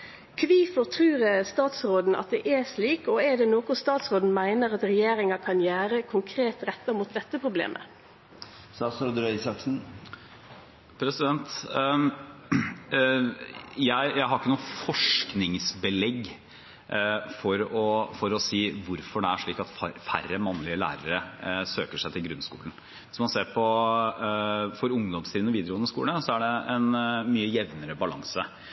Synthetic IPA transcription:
kʰʋiːfɔʁt̪ʰɾʉːɾəst̪ɑːt̪sɾoːd̪n̩ʔɑ̰t̪̚d̪ɛʔɛʂliːkɔɛd̪ɛnoːkʊst̪ɑːt̪sʁoːd̪n̩mæɪnəɾɑt̪ɾɛjeːɾɪŋɑkʰɑnjæːɾəkʰʊŋkʰɾeːt̪ɾɛt̪ːɑmuːt̪̚d̪ɛt̪ːəpʰʁʊblḛːmʔə̰ | st̪ɑːt̪sɾoːd̪əɾɛsɑksn̩ | pʰɾɛsɪd̪ɛnt̪ | jæɪjæɪɦɑɾɪkːənuːfɔʂknɪŋsbəlɛɡ | fɔɾɔfɔɾɔsiːʋʊɾfɔɖɛæʂɭiːkɑt̪fæ̰rːəmɑnːlɪəlæ̰ːɾəɾəsø̰ːkəʂæɪt̪ʰɪlɡɾʉnskṵːln̩ | ʋɪsɔmɑnseːɾpʰɔ | fɔɾʊŋd̪ɔmst̪ʰiːd̪nɔʋiːd̪əɾuːənəskṵːləsɔæɖɛɛnmyːəjɛʋnəɾəbɑlɑŋsə

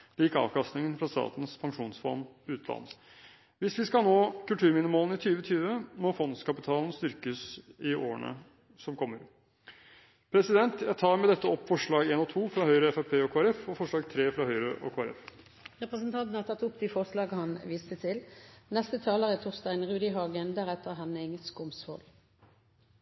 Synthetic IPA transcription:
liːkɑ̰ːʋkɑst̪nɪŋənfɾɑst̪ɑ̰ːt̪n̩spʰɑŋkʂuːnsfɔ̰ɾmʉːt̪lɑ̰nː | ʋɪsʋɪskɑlnoːkʰʉlt̪ʰʉːɾmɪnəmoːln̩ɪt̪ʰyːʋət̪ʰyːʋəmɔfɔnskɑpɪt̪ʰɑːln̩st̪ʏɾkəsɪʔo̰ːə̰ɳə̰ | sɔmkʰɔmːəɾ | pʰɾɛsɪd̪ɛnt̪jæɪt̪ʰɑːɾmɛd̪ɛt̪ːəɔpːfɔʂɭɑːɡeːnɔt̪ʰuːfɾɑːhœʏɾəɛfæpʰeːɔkʰoːɛɾɛfɔfɔʂɭɑːɡt̪ʰɾeːfɾɑːhœʏɾəʔɔ̰kʰoːɑɾɛ̰f | ʁɛpʁəs̬ənt̪ʰɑnt̪n̩hɑʁt̪ʰɑt̪ːʊpd̪ifɔʁʂlɑːɡəhɑnʋiːst̪ət̪ʰɪlnɛst̪ət̪ʰɑːləʁət̪ʰuːʁst̪æɪnʁʉːd̪ɪɦɑːɡənd̪æʁɛt̪əʁɦɛnːəɪŋːəskʊmsfɔ̰l

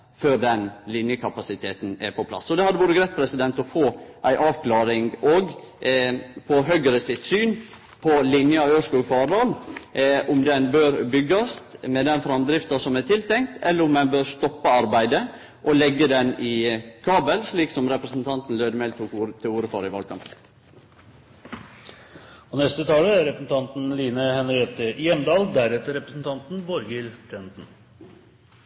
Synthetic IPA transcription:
føːɾɖɛnlɪnjəkʰɑpɑsɪt̪ʰeːt̪n̩æ̰ɾpʰɔpʰlɑ̰sːɔd̪ɛhɑd̪ːəʋoːɾəɡɾæt̪̚pʰɾɛsɪd̪ɛnt̪ɔfoːʔæɪʔɑːʋkʰlɑːɾɪŋɡoɡ | pʰɔɦœʏɡəɾəsɪt̪syːn | pʰɔlɪnjəɑøːʂkʉfɑːɖɑːl | ʔʊmd̪ɛnbøːɾbʏɡːɑst̪mɛd̪ɛnfɾɑmd̪ɾɪft̪ɑsɔmæt̪ʰɪlt̪ʰɛŋkt̪ʰɛlːəɾʊmd̪ɛnbøːɾst̪ɔpːɑɑɾbæɪd̪ə | ʔɔlɛɡːəd̪ɛnɪkʰɑːbəlsliːksɔmɾɛpɾəsn̩t̪ʰɑnt̪n̩løːd̪əmɛːlt̪ʰuːkuːɾt̪ʰɪuːɾəfɑ̰ːɾɪʋɑːlkʰɑ̰mpn | ɔnɛst̪ət̪ʰɑːləæɾɛpɾəsn̩t̪ʰɑnt̪n̩liːnəhɛnɾɪɛt̪ːəjɛmd̪ɑːld̪æɾɛt̪əɾɛpɾəsn̩t̪ʰɑnt̪n̩bɔɾɡɪlt̪ʰɛnt̪n̩

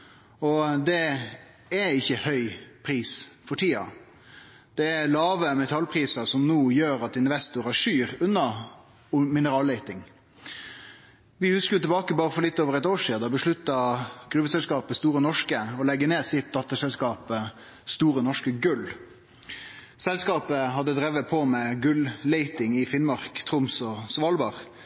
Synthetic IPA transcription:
ɔd̪ɛ | ɛɪçːəhœʏpʰɾiːsfɔʈʰiːɑ̰ | d̪̥ɛælɑːʋəmɛt̪ʰɑlpʰɾiːsɑsɔmnuːjøːɾɑt̪ɪnʋɛst̪ʊɾæʂyːɾʉnːɑ | mɪnəɾɑːleɪt̪ɪŋ | ʋɪhʉskəjʊt̪ɪlbɑːkəbɑːʁəfɔɾlɪt̪ːoːʋəʁɛt̪oːʂiːd̪ɑbəʂɭʉt̪ːɑɡ̥ɾʉʋəsɛlskɑːpəst̪uːɾənɔʂkəɔlɛɡːəneːsɪt̪̚d̪ɑt̪ːəsɛlskɑːpə | st̪uːɾənɔʂkəɡʉl | sɛlskɑːpəɦɑd̪ːəd̪ɾɛʋəpʰɔmɛɡʉlleɪt̪ɪŋɪfɪnmɑʁkt̪ʰɾʊmsɔsʋɑːlbɑʁ

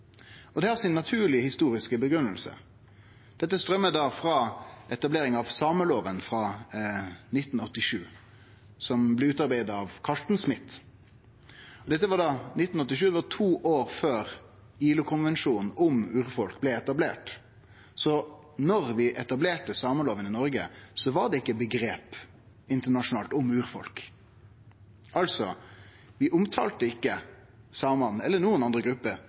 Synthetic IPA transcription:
ɔd̪ɛhɑɾsɪnːɑt̪ʰʉːɭɪəhɪst̪uːɾɪskəbəɡɾʉnːəlsə̰ | d̪̥ɛt̪ːəst̪ɾʁœmːəd̪ɑːfɾɑʔɛt̪ɑbleːɾɪŋɑʋsɑːməloːʋənfʁɑ | nɪt̪ːn̩ɔt̪ːɪʂʉː | sɔmblɛʉːt̪ɑɾbæɪd̪ɑʋkʰɑʂʈ̪n̩smɪt̪ | ɔd̪ɛt̪ːəʋɑɖɑnɪt̪ːn̩ɔt̪ːɪʃʉːd̪ɛʋɑʈʰuːʔoːʁføːɾ | iːlʊkʰʊnʋɛnʃuːnn̩ʊmʉːɾfɔlkblɛɛt̪ɑblḛːʈ | sɔ | nɔɾʋɪʔɛt̪ɑbleːʈəsɑːmənloːʋənɪnɔɾɡə̰sɔʋɑɖ̪ɛɪkːəbəɡɾeːp | ɪnt̪əɳɑʂʊnɑːlt̪ʊmʉːɾfɔ̰lk | ʔɑlsɔ | ʋɪʔʊmt̪ʰɑ̰ːlt̪əɪkːə | sɑːməmɑnn̩ɛlːənuːənɑnd̪ʁəɡɾʉpːə

